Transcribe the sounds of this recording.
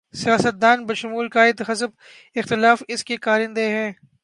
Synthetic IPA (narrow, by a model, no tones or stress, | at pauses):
sijaːsət̪̚d̪aːnbɐʃʊmuːlkaːɪd̪ɦɐsəb | ɪxt̪ɪlaːfɪskekaːɾɪ̃nd̪eɦɛ̃ː